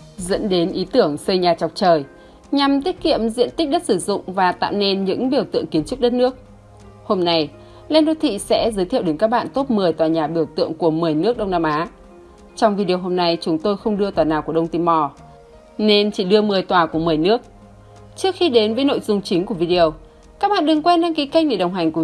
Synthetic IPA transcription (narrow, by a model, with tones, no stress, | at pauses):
zə̰˧˥nɗe˨˦nʔi˨˦t̪ɨ˧˩əŋsə˧jɲaː˨˩t͡ɕɔ˨˩wk͡p̚t͡ɕəː˨˩j | ɲa˨˩mt̪i˦˥ət̚kḭ˧˨əmzḭ˧˨ənt̪i˦˥k̟̚ɗə˦˥t̚sɨ˧˩zʊ̰˧˨ŋ͡mvaː˨˩t̪a̰ː˧˨wne˧nɲɨ̰˧˥ŋɓi˨˧˩əwt̪ɨ̰˧˨əŋki˨˦ənt͡ɕʊ˦˥k͡p̚ɗə˦˥t̚nɨ˦˥ək̚ | ho˧mna˧j | lɛ˧nɗo˨˦t̪ʰḭ˧˨sɛ̰˧˥zəː˨˦jt̪ʰḭ˧˨ə˨wɗe˨˦nkaː˦˥k̚ɓa̰ː˧˨nt̪o˦˥t̚mɨ˨˩əjt̪waː˨˩ɲaː˨˩ɓi˧˩əwt̪ɨ̰˧˨əŋku˧˩əmɨ˨˩əjnɨ˦˥ək̚ɗə˧wŋ͡mnaː˧mʔaː˨˦ | t͡ɕɔ˧wŋ͡mvi˧ɗi˧ə˨˩ɦo˧mna˧jt͡ɕʊ˨˦ŋ͡mt̪o˧jxə˧wŋ͡mɗɨ˧ət̪waː˨˩naː˨˩wkəɗə˧wŋ͡mt̪i˧mɔ˧ | ne˧nt͡ɕi˧˩ɗɨ˧əmɨ˨˩əjt̪waː˨˩ku˧˩əmɨ˨˩əjnɨ˦˥ək̚ | t͡ɕɨ˦˥ək̚xi˧ɗe˨˦nvəː˨˦jno̰˧˨jzʊ˨˧˩ŋ͡mt͡ɕï˨˦ŋ̟ku˧˩vi˧ɗi˨ə˨˩w | kaː˦˥k̚ɓa̰ː˧˨nɗɨ˨˩ŋkwɛ˧nɗaː˧ŋki˨˦ka˧jk̟̚ɗe˧˩ɗə˨˩wŋ͡mɦa˨˩jŋ̟k